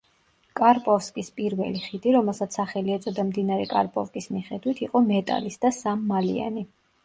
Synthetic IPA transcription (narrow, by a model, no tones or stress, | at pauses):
kʼaɾpʼɔfskʼispʼiɾvɛ̰liχid̪iɾɔmɛlˠsat̪sʰaχɛliɛt̪sʼɔd̪amd̪inaɾɛkʼaɾpʼɔfkʼismiχɛd̪wit̪ʰiqʼɔmɛt̪ʼa̰lisd̪asamːalḭa̰ni